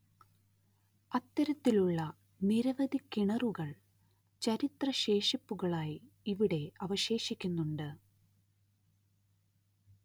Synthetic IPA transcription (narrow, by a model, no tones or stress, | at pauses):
ɐt̪ːɐɾɐt̪ːiluɭːɐ | niɾɐʋɐd̪ʱikːiɳɐruɣɐɭ | t͡ɕɐɾit̪rɐɕe̞ːʂɐpːuɣɐɭaːji | iʋiɽe̞ɐʋɐɕe̞ːʂikʲːunːuɳɖɨ